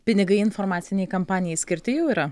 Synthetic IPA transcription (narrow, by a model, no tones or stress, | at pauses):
pʲɪnʲɪɡɐɪɪnfoɾmɑːt̪sʲɪnʲɛjkɐmpɑːnʲɪjɛɪsʲkʲɪɾʲt̪ʲɪjɛʊiːɾɐ